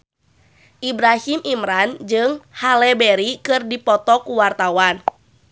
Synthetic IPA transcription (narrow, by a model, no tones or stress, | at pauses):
ʔibɾahimʔimɾand͡ʒɨŋhalɛbɛɾikɨrdipɔt̪ɔkuwart̪awan